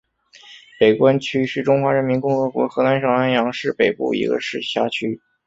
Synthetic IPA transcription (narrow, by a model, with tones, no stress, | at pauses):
pe˨˩ɪkwa˥nt͡ɕʰy˥ʂɻ̩˥˩ʈ͡ʂʊ˥ŋxwa˧˥ɻə˧˥nmi˧˥nkʊ˥˧ŋxɤ˧˥kwɔ̰˧˥xɤ˧˥na˧˥nʂɤ˨˩ŋa˥njɑ˧˥ŋʂɻ̩˥˩pe˨˩ɪpṵ˥˩ḭ˧˥ɡə̰˧ʂɻ̩˥˩ɕja˥t͡ɕʰy˥